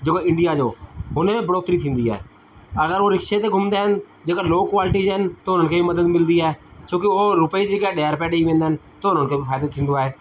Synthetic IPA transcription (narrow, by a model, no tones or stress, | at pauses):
d͡ʒeːkoːɪ̃ɳɖɪjaːd͡ʒoːɦʊnẽːbəɾoːt̪ɾiːt̪ʰĩːnd̪iːɛ̰ː | əɡəɾʋoːɾɪkʃeːt̪eːɡʱʊmnd̪eːɦən | d͡ʒeːkaloːkʋaːlɪʈiːd͡ʒːɦənt̪oːɦʊn̤ənkʰeːbiməd̪əd̪mɪld̪iːɛːt͡ʃõːkɪoːɾʊpəiːd͡ʒeːkaːɗɛːɾpɛːɽeiʋẽːnd̪aɦn | t̪oːɦʊnənkʰeːbipʰaːd̪oːt̪ʰĩːnd̪oaːɦeː